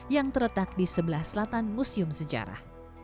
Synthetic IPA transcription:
jaŋt̪əɾlət̪ak̚disəbəlahsəlat̪anmusiʊmsəd͡ʒa̰ɾa̰h

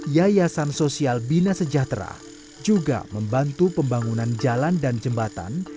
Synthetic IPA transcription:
jajasansosialbinasəd͡ʒat̪ɾa̰ | d͡ʒuɡa̰məmbant̪upəmbaŋunand͡ʒalandand͡ʒəmbat̪a̰n

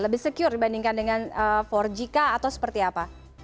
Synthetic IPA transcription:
ləbɪhsəkiʊrdibandiŋkandəŋanəfɔrd͡ʒikaːt̪awsə̥pərt̪iapa

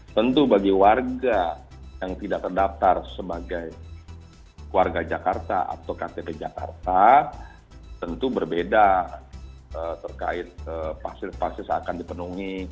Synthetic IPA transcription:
t̪ənt̪ubaɡiwarɡajaŋt̪idak̚t̪ərdaf̚t̪arsəbaɡaj | warɡad͡ʒakart̪a̰a̰t̪awkat̪eped͡ʒaka̰rt̪a | t̪ənt̪ubərbeda | ət̪ərka̰ɪt̪̚əpasɪpasɪsa̰kandipənuŋi

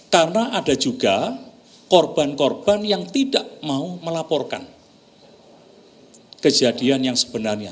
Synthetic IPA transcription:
karənaʔad̥ad͡ʒuɡ̥a | kɔrb̥ankɔrb̥anjaŋt̪idaʔmauməlapɔrka̰n | kəd͡ʒad̥ianjaŋsə̥b̥ənarɲa

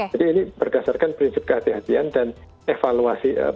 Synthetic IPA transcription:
adiːnibərdasarkanpɾinsɪp̚kəɦat̪iɦat̪iandan | efaluasiə̰

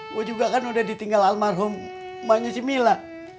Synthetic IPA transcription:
wod͡ʒuɡakanudahdit̪iŋɡalalmarɦʊmː | aɲasimila

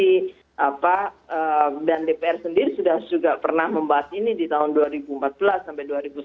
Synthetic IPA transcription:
i | ʔapaəːdandepeɛrsəndiɾisudahd͡ʒuɡapərnahməmbaɦasinidit̪aɦʊnduaɾibuəmpat̪̚bəlasːampajduaɾibu

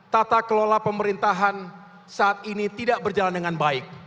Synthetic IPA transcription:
t̪at̪akəlolapəməɾint̪aɦan | saːt̪̚init̪idaʔbərd͡ʒalandəŋanbaɪk̚

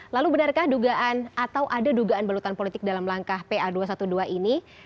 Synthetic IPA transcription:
lalubənarkahduɡaʔanat̪awʔadaduɡaanbalut̪anpolit̪ɪk̚dalamlaŋkahpeaduas̬at̪uduaʔini

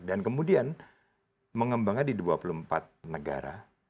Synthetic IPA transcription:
dankəmudian | məŋəmbaŋandiduapulumpat̪̚nəɡa̰ɾa̰

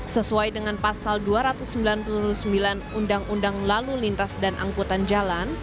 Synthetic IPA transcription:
səsuajdəŋanpasalduaɾat̪usːəmbilanpuɾusəmbilanundaŋundaŋlalulint̪asdanʔa̰ŋkut̪and͡ʒalan

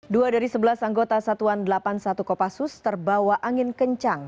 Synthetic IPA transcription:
duadaɾisəbəlasaŋɡot̪asat̪uandəlapansat̪ukopasʊst̪ərbawaʔaŋɪnkəɲt͡ʃaŋ

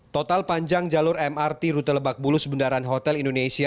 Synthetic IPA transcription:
t̪ɔt̪alpaɲd͡ʒaŋd͡ʒalʊɾɛmart̪iɾut̪ələbak̚bulʊsbundaɾanɦɔt̪ɛlindonesia

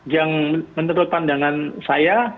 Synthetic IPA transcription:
d͡ʒaŋmənəɾupandaŋansaja

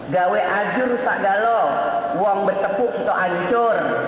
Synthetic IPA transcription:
ɡawɛʔad͡ʒʊrusa̰ʔɡalɔ | wɔŋbərt̪əpʊʔkit̪oʔaɲt͡ʃʊr

